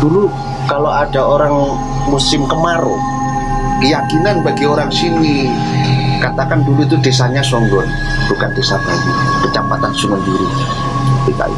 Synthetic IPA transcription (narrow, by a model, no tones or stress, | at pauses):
d̥ulu | kaload̥aoɾaŋ | musɪmkəmaɾṵ | kəjakinanbaɡioɾaŋsini | kat̪akanduluit̪̬udesaɲasɔŋɡɔn | b̥ukandesaad͡ʒibət͡ʃampat̪ansəmənduɾi | tik̪a̰ḭ